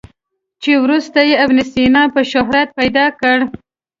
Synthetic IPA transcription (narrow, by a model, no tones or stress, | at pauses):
t͡ʃewɾust̪ajeabnɪst̪inɑpəʃʊɦɾat̪̚pajd̪ɑkəɽ